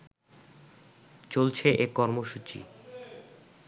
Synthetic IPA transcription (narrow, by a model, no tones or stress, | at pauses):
t͡ɕolt͡ɕʰeʔekɔɾmoʃut͡ɕḭ